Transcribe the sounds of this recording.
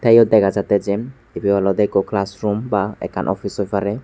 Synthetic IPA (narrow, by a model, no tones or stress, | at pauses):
t̪ejɔd̪ɛkʰazat̪ɛzɛ | ibiwalɔd̪ɛkɔklasɹumbaɛ̰kʰːa̰nʔɔ̰fisɔjfʰaɾɛ